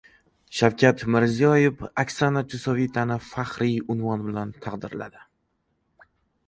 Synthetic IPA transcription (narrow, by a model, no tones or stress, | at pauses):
ʃawkʲʰat̪mɪɾzijɒjefakʲsanad͡ʒʰʊsɒvit̪ʰanɪfaχɾijʊnvɒnbɪlant̪ʰɑqd̪ɪɾla̰d̪ɪ